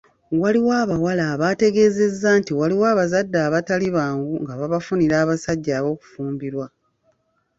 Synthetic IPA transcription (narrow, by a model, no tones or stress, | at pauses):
waliwaːβawalaːβate̞ɡe̞ːze̞zːaːntiwaliwaːβazadːaːβataliβaːŋɡuŋɡaβaβafuniɾaːβasaɟːaːβo̞ːku̥fuːmbiɾwa